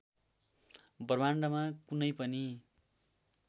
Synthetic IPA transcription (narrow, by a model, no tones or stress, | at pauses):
bʌrbaɳɖʌmakunʌjpʌni